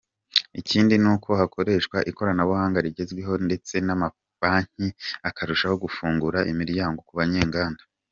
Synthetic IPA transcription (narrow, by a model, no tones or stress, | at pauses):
iciːndinuːkʰo̞hako̞ɾe̞ːʃkwaʔiko̞ɾanaβuhaːŋɡaɾiɟe̞zɡweɦo̞nde̞t͡se̞nama | faːɲ̥iakʰaɾuʃaho̞ɡufuːŋɡuɾaʔimiɾjaːŋɡo̞kuβaɲe̞ːŋɡaːndḁ